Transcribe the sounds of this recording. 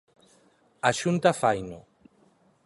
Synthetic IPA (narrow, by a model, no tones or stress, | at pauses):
aʃunt̪afajno